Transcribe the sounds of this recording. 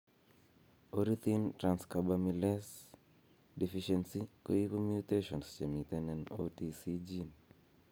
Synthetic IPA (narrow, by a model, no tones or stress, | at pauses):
oɾit̪intɾanskabamilɛs | difiʃɛnsikoikomuteʃɔnst͡ʃemit̪ɛnɛnotisid͡ʒin